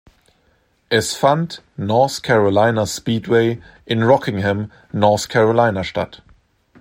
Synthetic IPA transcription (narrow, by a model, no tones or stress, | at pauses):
ʔɛsfant | nɔɐθkʰɛʁolaɪnaspiːtweɪ | ʔɪnʁɔkʰɪŋhɛm | nɔɐθkʰɛʁolaɪnaʃta̰t